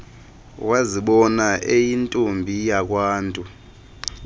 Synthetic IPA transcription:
waziɓɔnaʔejintʼumbʱijak̬ʼwaːntʼu

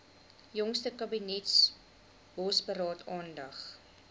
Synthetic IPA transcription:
jɔŋstəkɐbinɛts | b̥ɔsbəɾɑːtʰɑːndɐχ

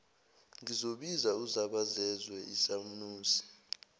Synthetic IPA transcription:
ŋizoɓizauzaɓazɛzwɛʔisamunuːsi̥

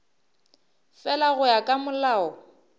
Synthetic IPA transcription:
fɛlaɣʊjakʼamʊlaːɔ

